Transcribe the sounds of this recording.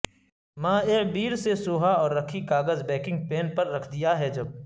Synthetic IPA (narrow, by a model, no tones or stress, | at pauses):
mãːebiːɾsesoːɦaɔːɾːɐkʰikaːɡəzbɛːkɪ̃ŋɡ̚peːnpɐɾːɐkʰd̪ijaɦɛd͡ʒɐb̚